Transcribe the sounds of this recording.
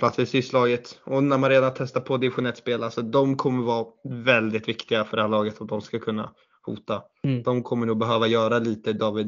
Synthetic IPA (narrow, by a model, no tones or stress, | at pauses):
pʰlat̪sɪsɪslɑːɡət̪ɔnæɾmanɾeːd̪ant̪ʰɛst̪apʰɔd̪ɪvɪɧʊnɛt̪speːlalsɔd̪ɔmkʰɔmːəɾvɑːvɛld̪ɪt̪vɪkt̪ɪɡafœɖɛhæːɭɑːɡət̪sɔmd̪ɔmskakʰɵnːa̰ | hṵːt̪a | d̪̥ɔmkʰɔmːəɳuːɡ̚bɛɦøːvajœːɾaliːt̪əd̪ɑːvɪd̪